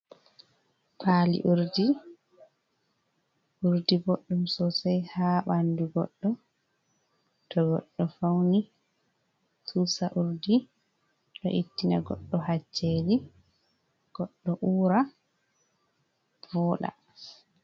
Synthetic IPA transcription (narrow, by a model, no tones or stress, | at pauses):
pʰaːlḭʔuɾdi | ʔuɾdiboɗːumsɔsɛjhaɓanduɡɔ̰ɗːɔ | tʰɔɡɔ̰ɗːɔfawni | tʰuːsaʔuɾdi | ɗɔ̰ʔitːina̰ɡɔ̰ɗːɔhad͡ʒːeːli | ɡ̥ɔɗːɔʔuːɾa | vɔːɗa̰